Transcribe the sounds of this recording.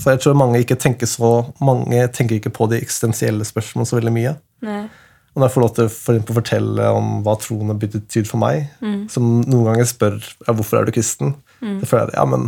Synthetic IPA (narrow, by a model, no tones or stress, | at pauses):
sɔjæɪt̪ʰɾuːɾmɑŋːəɪkːət̪ʰɛŋkəʂɔmɑŋːət̪ʰɛŋk̬əɾɪkːəpʰɔd̪ɪʔɛksɪ̥st̪ɛnsɪɛlːəspœʂmɔləsɔʋɛld̪ɪmyːə | ɔd̪ɛæfɔɭoːʋt̪ʰɪlɔfɔɾɛksɛmpəlɔfɔʈʰɛlːə̰ɔmʋɑːt̪ʰɾuːənəbʏd̪ət̪ʰyːd̪fɔɾmæ̰ɪsɔmnuːənɡɑŋːəspœɾjɑʋʊɾfɔɾæ̰ɖʉkʰɾɪst̪n̩ | d̥̪ɛføːlæ̰ɾ̰jɑ̰ːmə̰n